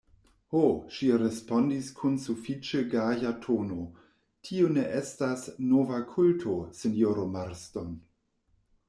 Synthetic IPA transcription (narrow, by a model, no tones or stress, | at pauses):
hoʃiɾespondiskʰunsufit͡ʃeɡajatʰono̞ | tʰione̞ʔestasnovakʰultʰosenjoɾomaɾsto̞n